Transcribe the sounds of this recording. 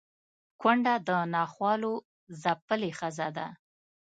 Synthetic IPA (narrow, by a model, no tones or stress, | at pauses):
kwaɳɖad̪ənɑxwɑlo | zapəlexazad̪a